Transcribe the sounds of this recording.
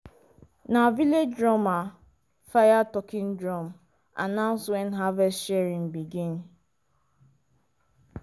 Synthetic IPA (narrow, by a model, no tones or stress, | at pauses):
naviled͡ʒdɾɔma | fajatɔkɪn̩dɾɔm̩ | a̰nãʊ̃nswɛnɦavɛstʃɛɾĩŋbiɡin̩